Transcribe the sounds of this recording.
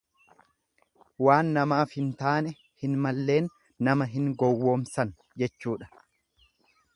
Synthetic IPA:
waːnːɐmaːfhɪnt̪aːnɛ | hɪnmɐlːe̞ːnː | ɐmɐɦɪŋɡɔwːo̞ːmsɐn | d͡ʒɛt͡ʃːuːᶑɐ̥

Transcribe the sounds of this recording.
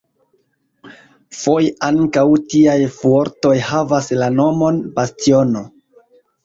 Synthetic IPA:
fo̞jaŋkawtiajfoɾto̞jhavaslano̞mo̞nbastio̞no̞

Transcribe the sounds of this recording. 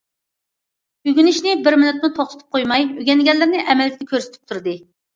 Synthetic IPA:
yɡʲynɪʃnɪbɪɾmɪnyt̪̚mut̪ʰoχt̪ɨ̥t̪ʰɨ̥p̚qʰojmɑjøɡʲɛnɡʲɛlːɪɾnɪʔɛmɛld̪ɪd̪ʲɛkʰʲøɾse̥t̪ʰy̥p̚t̪ʰuɾd̪ɨ

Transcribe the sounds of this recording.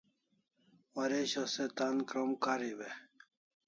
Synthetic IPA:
wɐɾeɕɐset̪ankɾomkaɾiwe

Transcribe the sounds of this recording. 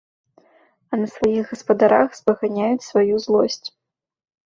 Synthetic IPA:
ɐnɐsvajiɣɡɐspɐd̪aɾa̰xzbɐɣanʲajut͡sʲsvajuzlˠɔsʲt͡sʲ

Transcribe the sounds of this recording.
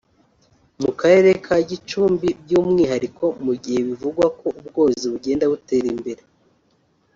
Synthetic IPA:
mukaɾe̞ːɾe̞kʰaɟit͡ʃuːmbibjuːmŋiːɦaɾikʰo̞muɟihe̞βivuɡwako̞ub̚ɡo̞ːziβuɟe̞ːndaβute̞ːɾimbe̞ɾe

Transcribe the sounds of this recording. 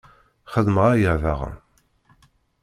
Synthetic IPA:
χəðməʁæjəʕvaʁə̰m

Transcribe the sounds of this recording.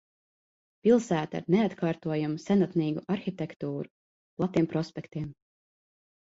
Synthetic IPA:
pʲilˠsæːt̪a̰ɾneat̪kʰaːɾt̪uɔjamusɛnat̪niːɡuʔaɾxit̪ʲɛkt̪uːɾu | plˠat̪iɛmpɾɔspʲɛkt̪iɛm

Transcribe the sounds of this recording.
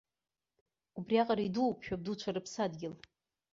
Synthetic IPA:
ubriaqʼaɾaiduwpʰʃᶣab̚dut͡ʃʷʰaɾɨpʰsadɡʲɪl

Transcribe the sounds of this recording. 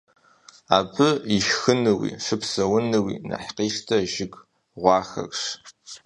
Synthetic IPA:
aːbɨiʃxɨnɨwḭʂɨpsɐwʊnɨwḭnɐ̰ħqiːʂtʰɐʒɪɡ | ʁʷɑːxɐ̰kʂ

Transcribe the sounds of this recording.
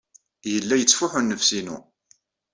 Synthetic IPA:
jəlːæjət͡sːfʊħʊnːəfsinṵ

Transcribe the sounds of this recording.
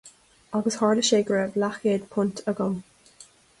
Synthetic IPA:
aɡəshɑɹləʃeːɡɹəvlaxeːd̪pʰʊntʰəɡɔm

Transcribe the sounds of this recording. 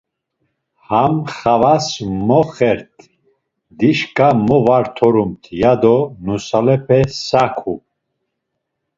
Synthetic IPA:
hamχavasmɔχɛɾt̪ʰ | d̪iʃkʼamɔvaɾt̪ʰɔɾumt̪ʰjad̪ɔnusalɛpʰɛsakʰu

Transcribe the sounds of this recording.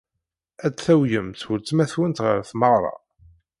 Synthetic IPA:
æt͡sθæwjəmθʊɾt͡sːmæθwənt̪ʁə̰ɾθməʁɾˤɑ̰

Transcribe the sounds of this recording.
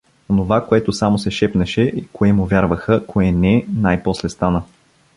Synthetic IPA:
onovakoɛt̪ʊsamosɛʃɛpnɛʃɛʔikoɛmʊvjaɾvəxəkʰoɛnɛnajpɔslɛst̪anə

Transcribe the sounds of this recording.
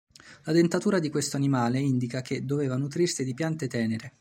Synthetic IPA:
lad̪ent̪at̪uːɾad̪ikwest̪oanimaːleind̪ikak̟ed̪ːoveːvanut̪ɾirsid̪ipjant̪et̪ɛːneɾe

